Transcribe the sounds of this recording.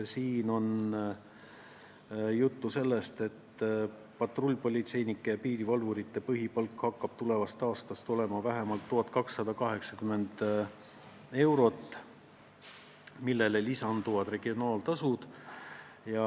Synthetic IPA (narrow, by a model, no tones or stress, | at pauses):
siːno̞n | jut̪ːuse̞lːe̞st̪e̞t̪ː | pɑt̪rolʲːpo̞lʲit̪se̞jnikːˑepiːɾivɑlvuɾit̪ːe̞pɤɦipɑlkːhɑkːɑb̥̚t̪ule̞vɑst̪ɑːst̪ɑst̪o̞le̞mɑvæɦemɑlt̪ːuɦɑt̪kɑksːɑd̪̥ɑkɑɦe̞ksɑkyme̞nd̪̥ | e̞wɾo̞t̪ːˑ | milːelelisɑnd̪uvɑd̪re̞ɡ̥io̞nɑːlt̪ɑsud̪̥ | jɑ